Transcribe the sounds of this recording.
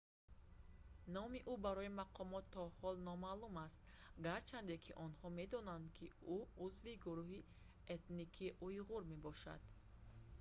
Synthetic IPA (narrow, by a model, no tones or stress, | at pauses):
nɔmiʔubaɾɔimaqʰɔmɔt̪ʰːɔhɔlnɔmalumast̪ | ɡaɾt͡ʃʰand̪ekʰiʔɔnhɔme̞d̪ɔnand̪kʰiuuzviɡuɾuhi | et̪nikʰiʔujʁuɾme̞bɔʃa̰d̪̥